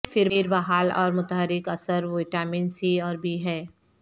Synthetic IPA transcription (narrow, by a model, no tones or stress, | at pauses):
fɪɾeːɾbaɦaːlɔ̰ːɾmʊt̪əɦəɾɪkɐsəɾʋoɪʈaːmɪnsiɔːɾbʱiɦɛː